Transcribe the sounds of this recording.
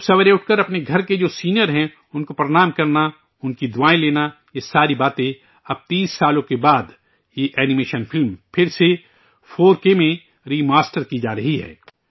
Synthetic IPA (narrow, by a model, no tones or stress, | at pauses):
sɐʋəɾẽʊʈ̚ʰkəɾɐpneɡʱɐɾked͡ʒoːsiːnjəɾɦɛ̃ | ʊnkopɾɐɽ̃aːmkɐɾna | ʊnkid̪ʊaːẽleːna | jesaːɾibaːt̪ẽ | ɐb̚t̪iːsːaːlõkebaːd̪ | jeʔɛːnɪmeːʃənfɪlmpʰɪɾse | fʰoːɾkemẽ | ɾiːmaːsʈəɾkid͡ʒaːɾɐɦiɦɛ̰ː